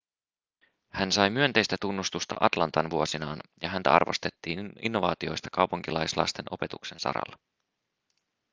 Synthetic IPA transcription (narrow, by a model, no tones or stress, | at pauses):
hænsɑjmyø̞nt̪e̞jst̪æt̪unːust̪ust̪ɑ̰ʔɑt̪lɑnt̪ɑnʋuo̞sinɑːnjɑɦænt̪æ̰ɑ̰rʋost̪e̞t̪ːiːnḭnːo̞ʋɑːt̪io̞jst̪ɑ̥kɑwpuŋkilɑjslɑ̰st̪e̞nʔo̞pe̞t̪ukse̞nsɑ̰ɾɑ̰lːɑ